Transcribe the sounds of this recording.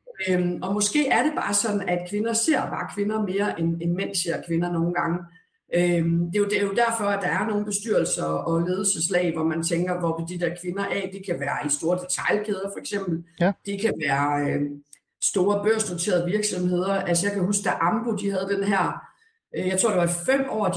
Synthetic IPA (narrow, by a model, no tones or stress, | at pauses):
ømɒ̽mɒ̽sɡ̥e̝̰ːæɐɾe̝b̥ɑ̈ːsɒ̽d̥n̩æd̥kʰʋe̝nɐse̝ɐ̰b̥ɑ̈ːkʰʋe̝nɐme̝ːɐʔenenmen̰se̝ɐ̰kʰʋe̝nɐno̝ːn̩ɡ̥ɑ̈ŋə | ød̥e̝jod̥ejo̝d̥æɐfɒ̽æd̥ɑ̈æɐno̝ːn̩b̥e̝sd̥yɐ̰l̩sɐʔɒ̽le̝ːð̞ˠl̩səslɛ̰ɪʋɒmænt͡sʰeŋɡ̥ɐʋɒbed̥id̥ɛɐkʰʋe̝nɐʔɛ̰d̥ekʰæʋæːɐisd̥o̝ːɐd̥e̝t͡sʰɑ̈ɪlkʰeð̞ˠɐfɒ̽eɡ̥sem̰b̥l̩d̥ekʰæʋæːɐ | sd̥o̝ːɐb̥ɶɐ̰sn̥ot͡sʰe̝̰ːɐðˠʋiɐɡ̥sɒ̽mɦe̝ð̞̰ˠɐælsəjɑ̈ɪkʰæɦusɡ̥̚d̥æʔɑ̈mb̥od̥ihæð̞ˠd̥enɦæɐ̰ | jɑ̈t͡sʰo̝̰d̥eʋɑfem̰ɒ̰̥ː